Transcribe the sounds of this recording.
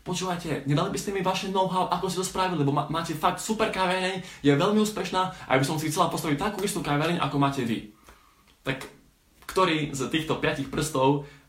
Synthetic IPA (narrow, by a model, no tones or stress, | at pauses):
pɔt͡ʃuːʋajcɛɲɛd̪alibiscɛmiʋaʃɛnɔʊɦaʊʔakɔs̬cɛt̪ɔspɾaʋililɛbɔmaːcɛfak̚t̪supɛɾkaʋɛɾɛɲjɛʋɛʎmiuːspɛʃnaːʔa̰bisɔmxsixtt͡sɛlapɔst̪aʋic̚t̪akuːist̪ukaʋɛɾɛɲʔa̰kɔmaːcɛʋḭ | t̪ak | kt̪ɔɾiːzt̪iːxt̪ɔpɪacixpr̩st̪ɔʊ